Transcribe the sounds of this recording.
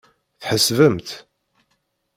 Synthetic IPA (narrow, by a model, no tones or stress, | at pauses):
θħəsvəmt̪